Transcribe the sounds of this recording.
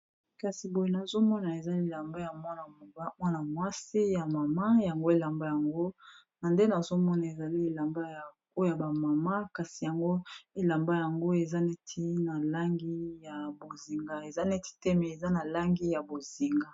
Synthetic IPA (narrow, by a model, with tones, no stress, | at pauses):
ka˨si˨bo˨je˨na˨zo˦mɔ˦na˨e˨za˦li˨la˨mba˦ja˨mwa˦na˨mo˨ba˦mwa˦na˨mwa˦si˦ja˨ma˨ma˦ja˨ŋɡo˦e˦la˨mba˦ja˨ŋɡo˦ | na˨nde˦na˨zo˦mɔ˦na˨e˨za˨li˦e˨la˨mba˦ja˨ | o˦a˨ba˨ma˨ma˦ka˨si˨ja˨ŋɡo˦e˨la˨mba˦ja˨ŋɡo˦e˨za˦nɛ˦tʰi˦na˨la˦ŋɡi˦ja˨bo˨zi˨ŋɡa˦e˨za˦nɛ˦ti̥˦tɛ˦mɛ˨e˨za˦na˨la˦ŋɡi˦ja˨bo˨zi˨ŋɡa˦